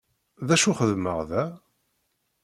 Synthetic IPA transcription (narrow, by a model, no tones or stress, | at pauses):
ðæʃuχəðməʁðæ